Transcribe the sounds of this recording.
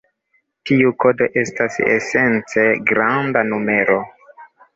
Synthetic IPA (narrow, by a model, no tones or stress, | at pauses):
tiuko̞do̞ʔe̞stasḛse̞nt͡se̞ɡɾandanume̞ɾo̞